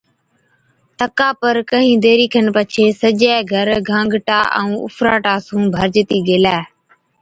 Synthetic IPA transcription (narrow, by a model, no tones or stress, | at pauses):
t̪əkaːpəɾkəɦĩːd̪eːɾiːkʰənpət͡ʃʰeːsəd͡ʒɛːɡʱəɾɡʱãːŋɡʈaːʔə̰̃ũːʊ̰fʰɾaːʈaːsũːbʱəɾd͡ʒt̪iːɡeːlɛː